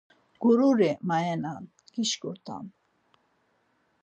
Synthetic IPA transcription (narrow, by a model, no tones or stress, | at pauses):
ɡ̥uɾuɾɛmajɛnan | kiʃkuɾt̪ʰa̰m